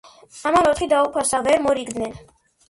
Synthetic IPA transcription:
amanɔt̪χid̪aupʰasavɛɾmɔɾiɡd̪nɛn

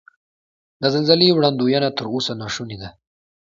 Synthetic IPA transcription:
d̪əzɪnzaliwɽand̪ujanat̪əɾoːsanɑʂunid̪a

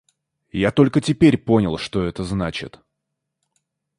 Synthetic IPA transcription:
jat̪o̞lʲkətʲɪpʲeɾʲpo̞nʲɪlˠʂt̪o̞ɛt̪əznat͡ɕɪ̰t̪

